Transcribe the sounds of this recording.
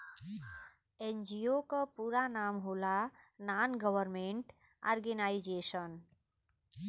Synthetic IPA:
end͡ʒiokəpuːɾanaːmɦoːlananɡəwəɾmẽɳʈ | a̰ːɾɡenaid͡ʒesən

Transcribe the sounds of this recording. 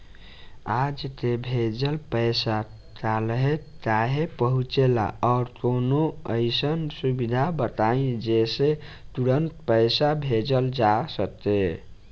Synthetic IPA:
ad͡ʒt̪ebʱed͡ʒəlpəjsa | t͡ʃalɦet͡ʃaɦepəɦut͡ʃela̰ɔɾkonoəɪsənsubid̪ʱabət̪aĩd͡ʒeset̪uɾənt̪pəjsabʱed͡ʒəld͡ʒasət̪e

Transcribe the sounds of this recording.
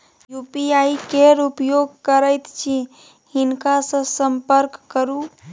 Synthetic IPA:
jupiaikeɾupjoɡ̚kəɾəjt̪t͡ʃʰi | hinkasə̃səmpəɾkːəɾu

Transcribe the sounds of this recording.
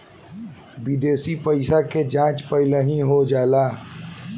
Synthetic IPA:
bid̪esipəɪsaked͡ʒãt͡ʃpəɪləɦĩɦod͡ʒaela

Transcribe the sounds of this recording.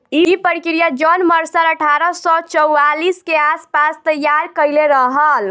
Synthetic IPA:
iipəɾikɾijad͡ʒɔnməɾsəɾəʈʰaɾəsɔt͡ʃəwaliskeaspast̪əjːaɾkəjleɾəɦəl

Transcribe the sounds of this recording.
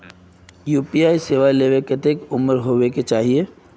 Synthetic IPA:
juːpiaːiseːʋaleːʋeket̪ekʊməɾɦoweket͡ʃaːɦie

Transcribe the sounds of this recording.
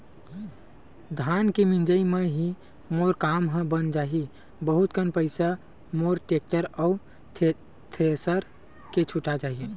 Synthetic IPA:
d̪ʱaːnkemĩnd͡ʒəimẽɦi | moːɾkaːmɦə̃bənd͡ʒaːɦi | bəɦʊt̪kənpəɪsa | moːɾʈeːk̚ʈəɾɔʊ | t̪ʰesəɾ | ket͡ʃʰʊʈad͡ʒaːɦie

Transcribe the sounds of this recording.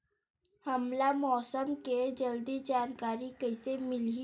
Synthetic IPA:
hɐmlamɔːsəmked͡ʒɐld̪id͡ʒaːnkaːɾikəɪsemɪl

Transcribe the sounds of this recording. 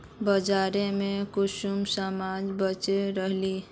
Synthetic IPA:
bəd͡ʒaɾemẽkʊʃumsəmad͡ʒbət͡ʃeɾəɦli

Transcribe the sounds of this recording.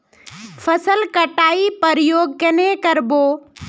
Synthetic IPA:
fʰəsəlkɐʈaːipəɾjoːɡkɐnekɐɾboː

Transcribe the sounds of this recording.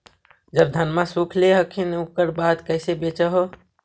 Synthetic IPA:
d͡ʒəb̚d̪ʱənmasukʰleɦəkʰinukəɾbad̪kəɪsebet͡ʃəɦo

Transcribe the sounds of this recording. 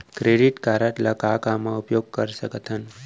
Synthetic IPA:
kɾeɖiʈkaɾəʈ̪ləkakamãupjoɡ̚kəɾsəkət̪ʰən

